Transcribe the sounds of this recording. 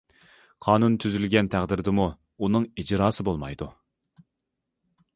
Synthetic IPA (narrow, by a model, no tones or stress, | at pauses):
qʰɑːnunt̪ʰyzylɡʲɛnt̪ʰæʁd̪ɪɾd̪ɪmuː | nɨŋid͡ʒɾɑːsɨbolˠmɑ̰jd̪u